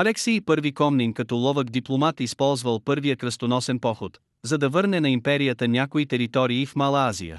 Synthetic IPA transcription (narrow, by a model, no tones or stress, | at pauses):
ɐlɛksijpɤɾvikɔmninkɐt̪ɔlˠɔvəɡd̪iplˠomat̪ispɔlˠzvəlˠpɤɾvijəkɾəst̪onɔsɛnpɔxot̪ | zɐd̪ɐvɤɾnɛnɐimpɛɾijət̪ənʲakoit̪ɛɾit̪ɔɾiːfmalˠɐazḭjə̰